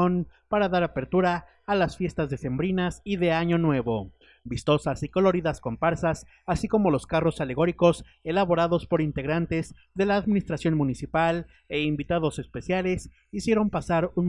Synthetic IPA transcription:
onpaɾaðaɾape̞ɾt̪uɾaː | lasfje̞st̪azðe̞se̞mbɾinasiðe̞aɲo̞nwe̞βo̞ | bist̪o̞sasikolo̞ɾiðasko̞mpaɾsas | asiko̞mo̞lo̞skaro̞sale̞ɣ̞o̞ɾiko̞s | e̞laβo̞ɾaðo̞spo̞ɾint̪e̞ɣɾant̪e̞zðe̞laːðminist̪ɾasjo̞nmunisipal | e̞imbit̪aðo̞sespe̞sjale̞s | isje̞ɾo̞mpasaɾun

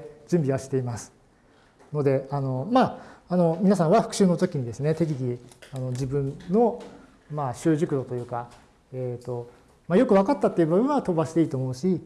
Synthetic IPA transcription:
d͡ʑɨ̃mbʲiβaɕi̥t̪e̞imasɨ̥ | no̞d̪e̞ano̞maːno̞mʲinasãɰ̃βaɸɯ̟kɯ̟ɕɨːno̞t̪okʲiɲ̟id̪e̞sɨne̞t̪e̞k̬ʲiɡʲiano̞d͡ʑibɯ̟̃nno̞ | maɕɨːʑɨkɯ̟ɾo̞t̪o̞jɯ̟ːka | eːt̪ːo̞ | majo̞kɯ̟β̞akat̪ːat̪ːeiɯ̟babɯ̟̃ɰ̃at̪o̞baɕi̥t̪e̞iːt̪o̞ːmo̞ɯ̟ɕi

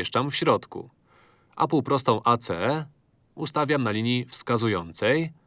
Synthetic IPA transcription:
ɛʂt͡ʂamfɕɾɔt̪kṵ | ʔa̰puwpɾɔst̪ɔ̃w̃ʔat̪sɛ | ust̪avʲjamnalʲiɲjifskazujɔnt̪sɛj

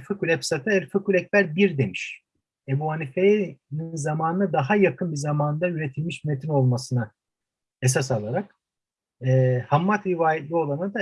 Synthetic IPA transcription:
fɯkulʲɛpsat̪ʰɯɛlʲfɯkulʲɛc̚bæɾbiɾd̪e̞miʃ | ebuanifeninzamaːnɯnɯd̪aɦajakʰɯnbizamaːnd̪ayɾe̞t̪ʰilʲmiʃmet̪ʰino̞lˠmasɯna | es̬as̬alˠaɾak | ɛːhamːat̪ɾivaːjɛt̪lʲio̞lˠanad̪a

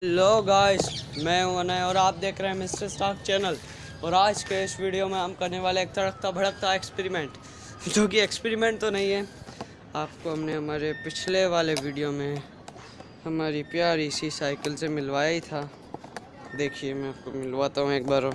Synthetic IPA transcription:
ɦloːɡaːɪsmɛ̃ːɦũɐnaẽɔːɾaːp̚d̪eːkʰɾeɦɛ̃mɪsʈəɾsʈaːkʰt͡ʃɛːnəl | ɔːɾaːd͡ʒkeɪsʋiːɖijomẽɦɐmkɐɾneʋaːleeːk̚sɐɽək̚t̪abʱɐɽək̚t̪aekspɛːɾimẽːɳʈ | d͡ʒoːkiekspeːɾimẽːɳʈ̚t̪onɐɦĩɦɛː | aːpkoɦɐmneɦɐmaːɾepɪt͡ʃʰleʋaːleʋiːɖijomẽ | hɐmaːɾipjaːɾisisaːɪkəlsemɪlʋaːjait̪ʰaː | d̪eːkʰiemɛ̃aːp̚komɪlʋaːt̪aɦũeːk̚baːɾ

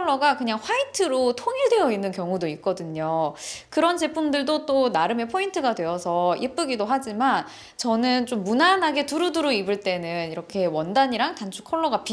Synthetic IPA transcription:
ɭːʌɡakɯɲaŋɸwaitʰɯɾotʰoŋiɭdwe̞jʌinːɯnkjʌŋudoik̚k͈ʌdɯɲokɯɾʌnt͡ɕe̞pʰundɯɭdot͈onaɾɯme̞pʰointʰɯɡadwe̞ʌsʰʌʔip͈ɯɡidoɦad͡ʑiman | t͡ɕʌnɯnt͡ɕ͈omːunanɦaɡe̞tuɾuduɾoibɯɭt͈e̞nɯniɾʌkʰe̞wʌndaɲiɾaŋtant͡ɕʰu̥kʰʌɭːʌɡapi

